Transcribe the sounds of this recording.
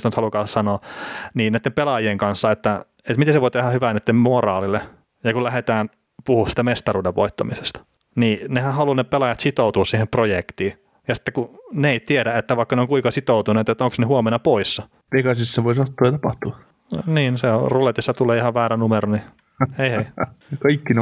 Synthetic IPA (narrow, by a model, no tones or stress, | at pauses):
st̪ænyt̪hɑlukɑːsɑnoːniːniæit̪ːempelɑjieŋkɑnsːɑet̪ːæ | et̪mit̪eseʋoˑit̪ehæhyʋænet̪ːemmorɑːlilːe | jɑkulæhet̪æːn | puhusi̥ːt̪æmest̪ɑruːdeʋʋo̰it̪ːɑ̰misest̪ɑ̥ | niːnehænhɑlunepelɑjɑt̪sit̪out̪uːssiːhemprojekt̪iː | jɑsi̥t̪ːekuneeit̪iedæet̪ːæʋɑˑikːɑneoŋkuiŋkɑsit̪out̪unet̪ːet̪ːoŋksnehuɑmenːɑpoisːɑ | pekɑsistseʋoisɑt̪ːoɑɑt̪ɑpɑht̪uɑ | niːnseorulet̪josːɑt̪uleːihɑʋʋæːrænumeɾoni | eiheikɑikːin